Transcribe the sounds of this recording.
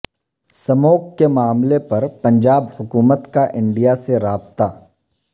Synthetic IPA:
sɐmoːkkemaːmlepɐɾpɐ̃ɲd͡ʒaːbhʊkuːmət̪kaʔɪ̃ɳɖijaseɾaːbt̪aː

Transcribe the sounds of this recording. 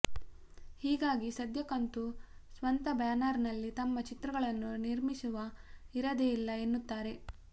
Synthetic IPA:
hiːɡaːɡisɐd̪jɐkɐnt̪usʋɐnt̪ɐbjaːnaːɾnɐlːit̪ɐmːɐt͡ʃit̪ɾɐɡɐɭɐnːuniɾmisuʋɐiɾɐd̪eilːɐe̞nːut̪ːaːɾe̞

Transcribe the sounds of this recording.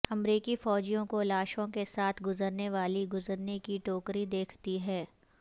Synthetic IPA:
ɐmɾiːkifɔːd͡ʒijõkolaːʃõkesaːt̪ʰɡʊzəɾneʋaːliɡʊzəɾnekiʈoːkɾid̪eːkʰt̪iɦɛː

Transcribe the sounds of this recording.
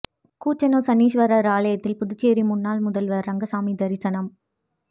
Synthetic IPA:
kuːt͡ʃːɐnoːsɐniːʃʋɐɾɐɾaːlɐjɐt̪ːɪlpʊðʊt͡ʃːeːɾimʊnːaːlmʊðɐlʋɐɾɾɐŋɡɐsaːmid̪ɐɾɪsɐnɐm

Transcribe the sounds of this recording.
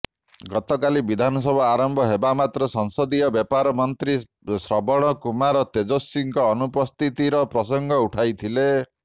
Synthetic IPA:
ɡɔt̪ɔkalibid̪ʱanɔsɔbʱɔaɾɔmbʱɔɦebamat̪ɾɔsɔŋsɔd̪iɔbjɔpaɾɔmɔnt̪ɾi | sɾɔbɔɽ̃ɔkumaɾɔt̪ed͡ʒosːiŋkɔːnupɔst̪ʰit̪iɾɔpɾɔs̬ɔŋɡʱɔuʈʰajt̪ʰile

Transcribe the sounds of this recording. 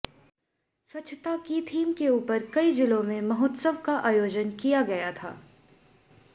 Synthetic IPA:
sɐtːt͡ʃʰt̪akit̪ʰiːmkeuːpəɾkɐid͡ʒɪlõmẽmɐɦoːt̪səʋkaʔaːjoːd͡ʒənkijaɡɐjat̪ʰa̰ː

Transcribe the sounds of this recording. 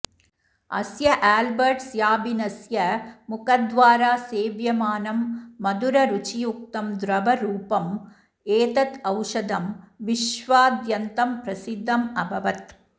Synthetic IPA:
ɐ̰sjɐʔaːlbɐɾʈsjaːbɪnɐsjɐmʊkɐd̪ʋaːɾaːseːʋjɐmaːnɐmːɐd̪uɾɐɾut͡ʃijuk̚t̪ɐmd̪ɾɐbɐɾuːpɐm | eːt̪ɐt̪ɐʊʂɐd̪ɐmʋɪʂʋaːd̪jɐnt̪ɐmpɾɐsɪd̪ʱːɐmɐbʱɐʋɐt̪

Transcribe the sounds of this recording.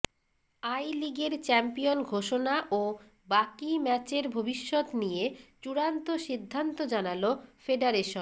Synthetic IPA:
ajliɡeɾt͡ɕɛmpijonɡʱoʃonaʔo | bakimɛt͡ɕeɾbʱobiʃːot̪nijet͡ɕuɽant̪oʃid̪ʱːant̪od͡ʑanalofeɖaɾeʃon

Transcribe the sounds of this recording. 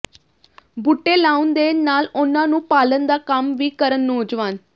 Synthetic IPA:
buʈːeːlaːʊnd̪eːnaːlʊnãːnũːpaːlənd̪aːkəmʋiːkəɾənːoːd͡ʒʋaːn

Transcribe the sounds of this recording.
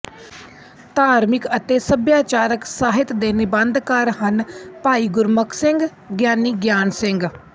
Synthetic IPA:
t̪aːɾmɪkət̪eːsəbjaːt͡ʃaːɾəksaːɦɪt̪d̪eːnɪbənd̪kəɾɦənpaːiːɡʊɾməksɪ̃ŋɡ | ɡjaːniːɡjaːnsɪŋɡ

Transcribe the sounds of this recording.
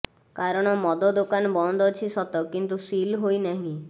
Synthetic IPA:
kaɾɔɽ̃ɔmɔd̪ɔd̪okanɔbɔnd̪ʱɔt͡ʃʰisɔt̪ɔkint̪usilɦojnaɦĩ

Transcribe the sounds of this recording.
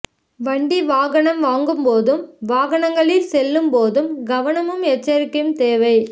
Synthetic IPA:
ʋɐɳɖiʋaːɣɐɳɐmʋaːŋɡɯmpoːðɯmʋaːɣɐɳɐŋɡɐɭɪlsɛlːɯmpoːðɯmɡɐʋɐnɐmɯmɛt͡ʃːɐɾɯkːɯmt̪eːʋɐɪ

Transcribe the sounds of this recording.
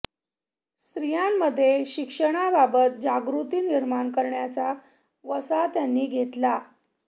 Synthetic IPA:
st̪ɾijamːəd̪ʱːjeɕikʂəɽ̃ababət̪̚d͡ʑaɡɾut̪iːniɾmaɳkəɾɳjat͡sa | ʋəsat̪janːiːɡʱet̪la

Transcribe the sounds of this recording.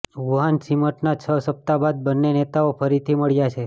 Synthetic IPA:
ʋuɦansiməʈnat͡ʃʰəsəp̚t̪abad̪̚bənːenet̪aopʰəɾit̪ʰiməɭjat͡ʃʰe

